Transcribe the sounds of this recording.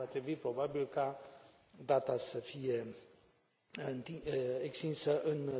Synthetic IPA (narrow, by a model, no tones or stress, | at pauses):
at̪ɾebuipɾobabilka | d̪at̪asəfije | nt̪iekst̪ĩnsəʔɨn